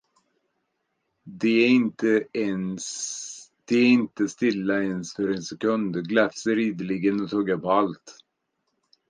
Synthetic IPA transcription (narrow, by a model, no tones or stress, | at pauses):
d̪ɛɪnt̪əɛns | d̪̥ɛæɪnt̪əst̪ɪlːaɛnsfœɾɛnsɛkɵnd̪ɡlɛfsəɾiːd̪əlɪɡənɔt̪ʰɑːɡapɔalt̪